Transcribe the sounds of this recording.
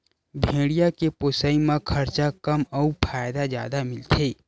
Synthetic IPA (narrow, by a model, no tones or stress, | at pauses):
bʱeːɽijakepoːsaimãkʰɐɾt͡ʃakɐmɔupʰaːjd̪azja̰ːd̪amɪlt̪ʰeː